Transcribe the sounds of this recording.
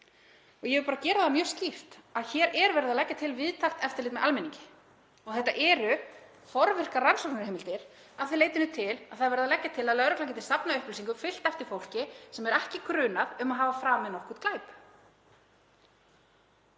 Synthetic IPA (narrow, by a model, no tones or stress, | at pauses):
ɔɣjɛvʏɾpaːɾacɛːɾaðamjœ̥ːscift̪aðçɛːɾɛɾvɛɾðalɛcːat̪ʰɪlvɪðt̪ʰar̥t̪ɛft̪ɪlɪːt̪mɛðalmɛnĩŋɲcɪ̥ | ɔɣθɛht̪ːa̰ʔɛːɾʏ | fɔɾvɪr̥karansɔk̚nɾheːmɪlt̪ɪɾ̥ | aðθɪleːjt̪ɪnʏt̪ʰɪlaðθaðvɛɾðalɛcːat̪ʰɪlaðlœɾʏklawŋcɪt̪ɪlsapnaʏhplʏsiŋkʏmfɪl̥t̪ɛft̪ɪɾ̥fowl̥cɪsɛmɛɾɛhcɪkɾʏːnaðʏmaðɦaːvafɾaːmɛðnɔhkut̪̚klaːjp